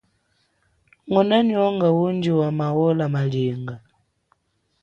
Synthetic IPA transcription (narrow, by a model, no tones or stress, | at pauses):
ŋɔnaniɔŋɡawund͡ʒiwamawɔlamaliŋɡa